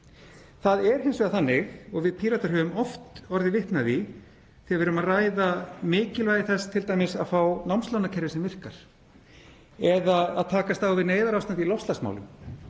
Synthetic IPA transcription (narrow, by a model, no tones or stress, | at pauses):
θaðɛɾ̥ɦɪnsʏaðθanːɪɣɔɣvɪðpʰiːɾat̪aɾɦœːvʏmɔft̪ɔɾðɪvɪht̪naði | θiavɛɾʏmaðraːjðamɪːcɪlvaːjðɪθɛst̪ʰɪlt̪aːjmɪsa̰ðfawnawmst̪ownacʰɛɾjɪsɛmvɪr̥kaɾ̥ | ɛðaaðt̪ʰaːkast̪awvɪneːjðaɾawst̪ant̪ilɔst̪lasma̰wlʏ̰m